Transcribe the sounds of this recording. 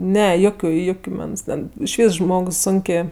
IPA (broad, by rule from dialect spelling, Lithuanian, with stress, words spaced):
ˈnʲɛ ˈjoːkʲʊ ˈjʊkʲʊ ˈmʲɛns tʲɛn ɪʃʲˈʋʲiːs ˈʒmoːks ˈsʊŋʲkʲeː